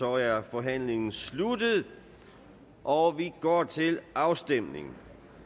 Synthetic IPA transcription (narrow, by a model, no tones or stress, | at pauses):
ɒɐfɒ̽ɦæn̰le̝ŋn̩slud̥əðˠ | ʔɒʋiɡ̥ɒ̰ːt͡sʰe̝lʔɑ̈ʊsd̥em̰ne̝̰ŋn̩